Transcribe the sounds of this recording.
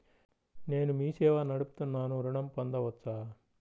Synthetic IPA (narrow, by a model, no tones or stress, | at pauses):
ne̞ːnumiːsɛːʋɐnɐɽupu̥t̪unːaːnuɾuɳɐmpɐnd̪ɐʋɐtːsaː